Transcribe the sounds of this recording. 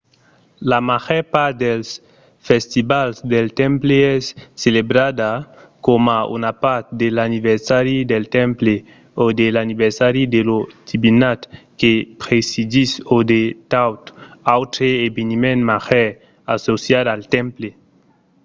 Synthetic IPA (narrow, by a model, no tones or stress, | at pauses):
lamaxɛpaɾd̪els | fest̪ibalzd̪elt̪ɛmpleɛsːelebɾad̪a | komaṵnapaɾt̪̚d̪elaniβeɾsaɾid̪elt̪ɛmple | od̪elaniβeɾsaɾid̪elot̪ibinat̪kepɾesid̪isod̪et̪awt̪awt̪ɾeebenimẽnmaxɛ | asosjad̪aaːlt̪ɛmple